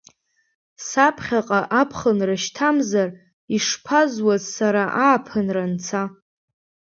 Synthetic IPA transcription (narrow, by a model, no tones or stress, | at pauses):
sapʰχʲaqʼaʔapʰχənraʃtʰamzar | iʂpʰazwazsaɾaʔaːpʰɨnrant͡sʰa